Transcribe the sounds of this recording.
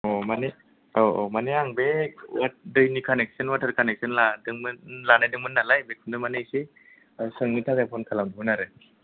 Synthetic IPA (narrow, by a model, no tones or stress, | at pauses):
ɔmane | ɔmaneaŋbewadɯjnikʰanek̚sənwatʰəɾkanek̚sɯnladɯŋmɯnlanajdɯŋmɯnːalajbekʰundɯmanejse | sɯŋnitʰakajpʰɔnkʰalamdɦunaɾɯ